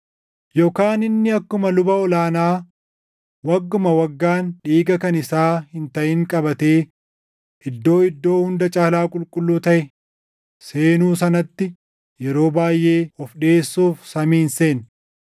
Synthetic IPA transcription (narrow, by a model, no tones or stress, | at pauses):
jɔkaːnɪnːɪɐkːʊmɐlʊbɐɔlaːnaː | wɐɡːʊmɐwɐɡːaːnᶑiːɡɐkɐnɪsaːhɪnt̪ɐʔɪŋkʼɐbɐt̪eː | ʔɪd̪ːo̞ːɪd̪ːo̞ːhʊnd̪ɐt͡ʃʼaːlaːkʼʊlkʼʊlːuːt̪ɐʔɛ | se̞ːnuːsɐnɐt̪ːɪ | jɛɾo̞ːbaːjʔe̞ːɔfɗɪeːsːuːfsɐmiːnse̞ːn